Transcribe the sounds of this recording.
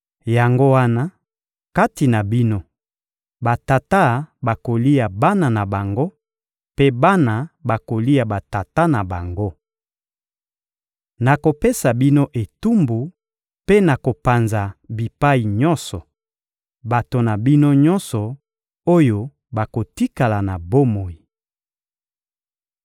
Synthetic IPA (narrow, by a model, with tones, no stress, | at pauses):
ja˨ŋɡo˦wa˦na˦ | ka˦ti˨na˨bi˦no˦ | ba˨ta˨ta˦ba˨ko˨li˦ja˨ba˦na˨na˨ba˨ŋɡo˦ | pe˦ba˦na˨ba˨ko˨li˦a˨ba˨ta˨ta˦na˨ba˨ŋɡo˦ | na˨ko˨pe˦sa˨bi˦no˦ʔe˨tu˦mbu˨ | pe˦na˨ko˨pa˨nza˨bi˨pa˦i˨ɲɔ̃˦nsɔ˨ | ba˨to˨na˨bi˦no˦ɲɔ˦nsɔ˨ | o˦jo˦ | ba˨ko˨ti˦ka˨la˨na˨bo˦mo˨i˨